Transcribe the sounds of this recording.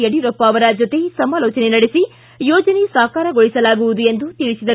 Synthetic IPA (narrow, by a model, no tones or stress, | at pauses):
eɽiɾɔpːaːʋɐɾɐd͡ʒɔt̪esɐmaːlɔːt͡ʃɐnenɐɽesi | jɔːd͡ʒɐnesaːkaːɾɐɡoɭisɐlaːɡuʋud̪ue̞nd̪ut̪iɭisid̪ɐ